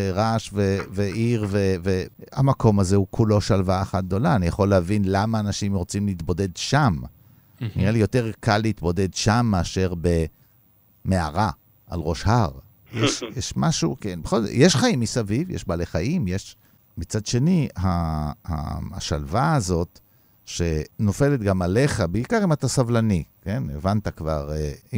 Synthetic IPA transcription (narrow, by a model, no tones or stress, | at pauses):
eʁaʃveveʔiʁveveamako̞mazeukʰulo̞ʃalvaːχat̪̚d̪o̞laːnijaχo̞lːehavinlamaːnaʃimʁo̞t͡simleːt̪bo̞d̪e̞dʃam | niʁelijo̞te̞ʁkalːeit̪bo̞de̞dʃamːeaʃe̞ʁbe̞ | mea̰ʁa | ʔalʁo̞ʃhaʁ | jeʃjeʃmaʃukenbeχo̞lzo̰jeʃχaimːisavivjḛʃbaːleχajimjeʃ | mit͡sad̪ʃe̞niɦaha̰ʃalvaːzo̞t | ʃe̞no̞fe̞le̞t̪ɡamale̞χabeikaʁimat̪asavlanike̞nevant̪akva̰ʁei